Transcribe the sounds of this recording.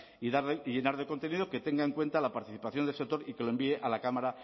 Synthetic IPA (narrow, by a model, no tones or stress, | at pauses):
iðaɾðeiʝe̞naɾðe̞kont̪e̞nið̞oke̞t̪e̞ŋɡae̞ŋkwe̞nt̪alapaɾt̪iθi̥paθjond̪elsek̚t̪o̞ɾikeloe̞mbieʔalakamaɾa